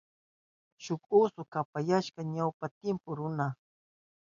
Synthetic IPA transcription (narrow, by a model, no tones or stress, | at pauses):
ʃʊkʊsʊkapajaʃkaɲawpat̪ɪmpʊɾʊna